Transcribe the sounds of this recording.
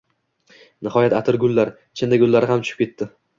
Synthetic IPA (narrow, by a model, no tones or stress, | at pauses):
nɪhɒjat̪at̪ʰɪɾɡʲʊlːaɾ | t͡ʃʰɪnd̪aɡʲʊlːaɾɪhamt͡ʃʰʊ̥ʃɪ̥pkʲʰe̞t̪ʰːɪ